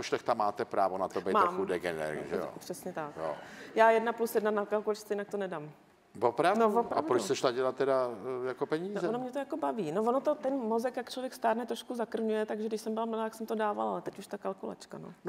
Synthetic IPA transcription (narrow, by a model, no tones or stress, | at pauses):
poʃlɛxt̪amːaːt̪ɛpɾaːvonat̪obɛjmaːmxudɛɡɛnɛ̰ɾ̰ʒɛ̰jo̰pr̥ɛsɲɛt̪akjo̰jaːjɛdnaplusjɛdnanakalkulat͡ʃsɛjɪnakt̪onɛdaːm | vopɾavnovopɾaavdɾousɛʃlaɟɛlat̪ːɛdajakopɛɲiːzɛonomɲɛt̪ojakobaviːnovonot̪ot̪ɛnmozɛkjakt͡ʃlovjɛkst̪aːɾnɛt̪ɾoʃkuzakr̩vɲujɛt̪aɡʒɛdɪʃsɛmbɪlaml̩lat̪aksɛmt̪odaːva̰laalɛt̪ɛcuʃt̪akalkula̰t͡ʃkano